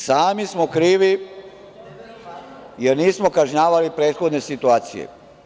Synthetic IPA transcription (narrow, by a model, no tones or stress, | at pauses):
saːmismo̞kɾiːʋi | jeɾniːsmo̞kaʒɲaːʋalipɾeːt̪xo̞d̪ne̞sit̪uaːt̪sijḛ